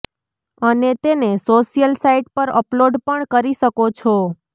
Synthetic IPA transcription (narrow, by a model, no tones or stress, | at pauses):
ənet̪enesoʃijəlsaiʈpəɾəploɖpəɳkəɾiʃəkot͡ʃʰo